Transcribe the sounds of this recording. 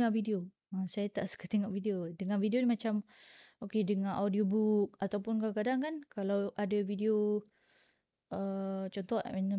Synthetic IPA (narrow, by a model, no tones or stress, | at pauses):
avidio | əsajat̪aʔsu̥kat̪eŋɔʔvidiodəŋanvideonimat͡ʃamokedəŋaʔawdiobuk̚at̪awpʊnkakadaŋkankalawadavideo | ət͡ʃɔnt̪ɔmanə